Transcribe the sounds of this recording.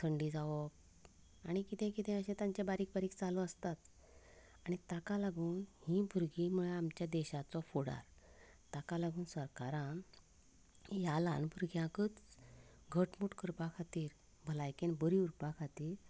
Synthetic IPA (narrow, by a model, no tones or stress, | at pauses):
t̪ʰəɳɖid͡zaʋɔk | aɽ̃ikit̪ʰẽkit̪ʰẽəɕẽt̪ãɲt͡ɕebaɾiːk̚baɾiːkt͡salɔəst̪at̪ | aɽ̃it̪akalaɡuːnhĩbʱuɾɡimuɭeamt͡ɕjad̪ɛɕat͡sɔfoɽa̰ɾ | t̪akalaɡuːnsəɾkaɾãn | jalã̰nbʱuɾɡʱjãkət͡s | ɡʱəʈmuʈkəɾpakʰat̪iːɾ | bʱəlajkenbəɾiuɾpakʰat̪iːɾ